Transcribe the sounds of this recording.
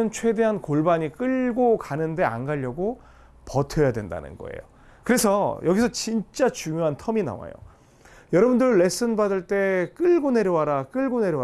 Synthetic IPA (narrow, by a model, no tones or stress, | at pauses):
ɯnt͡ɕʰwe̞de̞ɦankoɭbaɲik͈ɯʎɡokanɯnde̞a̰nɡaʎːʌɡo | pʌtʰʌjadwenda̰nɯ̰nɡʌ̰ḛjo̰ | kɯɾe̞sʰʌjʌɡisʰʌt͡ɕint͡ɕ͈at͡ɕuŋjoɦantʰʌmina̰wa̰jo̰ | jʌɾʌbundɯɾːe̞s͈ɯnbadɯɭt͈e̞k͈ɯɭɡone̞ɾjʌwaɾak͈ɯɭɡone̞ɾjʌ